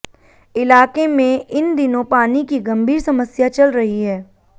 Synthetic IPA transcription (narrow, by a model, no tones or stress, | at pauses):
ɪlaːkemẽɪnd̪ɪnõpaːnikiɡɐ̃mbʱiːɾsɐməsjat͡ʃɐlɾɐɦiɦɛː